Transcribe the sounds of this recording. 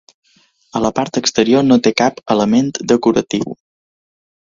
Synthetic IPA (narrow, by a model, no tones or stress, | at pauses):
ələpaɾt̪əkst̪əɾionot̪ekapələment̪d̪əkuɾə̰t̪iw